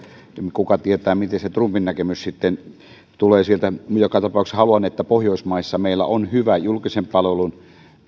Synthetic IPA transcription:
mkukɑt̪iet̪æːmit̪eset̪rumpinnækemyssit̪ːen | t̪uleːsielt̪æmjokɑt̪ɑpɑˑukshɑluɑnːet̪ːæpohjoˑismɑˑisːɑmeˑilːæ̰onhyʋæjulkisempɑlʋelun

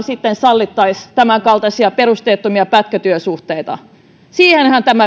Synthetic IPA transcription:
sit̪ːensɑlːit̪ːɑist̪æmæŋkɑlt̪ɑsiɑperust̪eːt̪ːumiɑpæt̪kæt̪yøsuht̪eit̪ɑ̰ | siːhenhænt̪æmæ

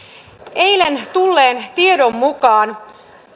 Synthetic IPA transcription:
ejlent̪ulːeːnt̪iedomːukɑːn

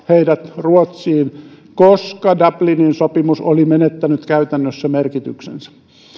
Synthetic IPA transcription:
heidæt̪ruot̪siːn | koskɑdɑblininsopimusolimenet̪ːænyt̪kæyt̪ænːøsːæmerkit̪yksḛnsæ̥

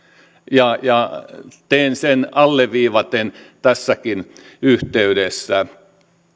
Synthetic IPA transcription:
jɑjɑt̪einsenɑlːeʋiːʋɑt̪ent̪æsːækin | yht̪eyɾesːæ

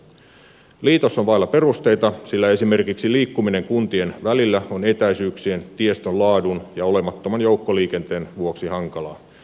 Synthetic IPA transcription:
liːt̪osːonʋɑijlɑpe̞rust̪e̞jt̪ɑsilːæe̞sime̞rkiksiliːkːumine̞ŋkunt̪ie̞nʋælilːæone̞t̪æjsyːksie̞nt̪ie̞st̪onlɑːdunjɑo̞le̞mɑt̪ːomɑnjo̞wkːo̞liːk̟e̞nt̪e̞ːnʋuoksihɑŋkɑlɑ̰ː

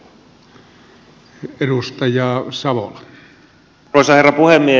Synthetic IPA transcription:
erust̪ɑjɑːsɑʋo̰lɑ | oˑosɑherːɑpuhemːie

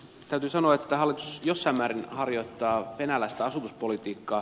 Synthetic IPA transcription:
t̪æyt̪yːsɑnoɑet̪ːæhɑlːˑit̪u̥sjosːɑimːæːɾinhɑrjo̞it̪ːɑːʋenælːæst̪æɑsut̪uspolit̪iːkːɑː

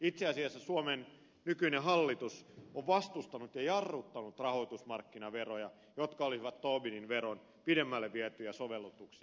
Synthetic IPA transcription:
it̪seɑsiɑsːɑsuomen | nykyineɦɑlːit̪usoʋʋɑst̪ust̪ɑnut̪jɑjɑrːut̪ːɑnut̪rɑhoit̪usmɑrkːinɑʋerojɑ | jot̪kɑolisiʋɑt̪t̪oːbininʋeron | pidemːælːeʋiæt̪ːyjɑsoʋelːut̪uksi

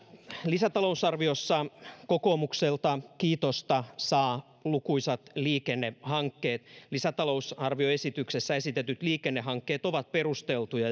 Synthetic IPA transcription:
lisæt̪ɑlousɑrʋiosːɑkokoːmukselt̪ɑkiːt̪ost̪ɑsɑː | lukuisɑt̪liːkenːehɑŋkːeːt̪lisæt̪ɑlousɑrʋioe̞sit̪yksesːæesit̪et̪yt̪liːkenːeɦɑŋkːeːt̪oʋɑt̪̚pe̞rust̪elt̪ujɑ

